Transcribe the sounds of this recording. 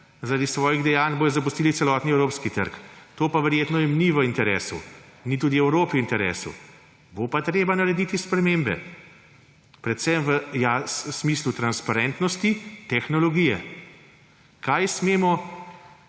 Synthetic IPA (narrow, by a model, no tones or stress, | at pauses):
zaɾad̪isʋɔːjiɣd̪ɛjaːnbojɔzɐpust̪iːlit̪sɛlɔːt̪niɛwɾoːpskit̪ə̰ɾkt̪oːpaʋəɾjeːt̪nɔjɛmniʋəint̪ɛɾḛːsṵnit̪uːd̪iɛwɾoːpiiːnt̪ɛɾḛːsṵ | bopat̪ɾeːbanaɾɛd̪iːt̪ispɾɛmeːmbɛ̰ | pɾɛt̪sɛmʋəjassmislut̪ɾanspaɾɛːnt̪nɔst̪it̪ɛxnɔlɔɡiːjɛ̰ | kajsmeːmɔ